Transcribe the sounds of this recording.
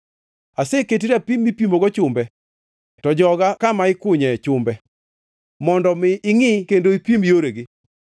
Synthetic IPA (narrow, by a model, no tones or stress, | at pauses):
aseketiɾapimːipimoɡɔt͡ʃʊmbɛ | tɔd͡ʒɔɡakamaɪkʊɲɛt͡ʃʊmbɛ | mɔndɔmɪːŋɪkendoipimjoɾeɡɪ